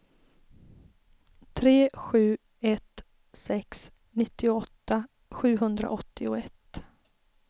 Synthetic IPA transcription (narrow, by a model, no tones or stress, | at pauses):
t̪ʰɾeːɧʉ̟ː | ɛt̪ | sɛks | nɪt̪ːɪʊɔt̪ːa | ɧʉ̟ːɦɵnd̪ɾa̰ʔɔt̪ːɪʊɛt̪